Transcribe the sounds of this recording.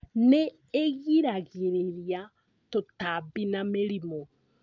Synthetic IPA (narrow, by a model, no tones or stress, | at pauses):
neː | ɣiɾaɣiɾiɾja | totabinameɾimo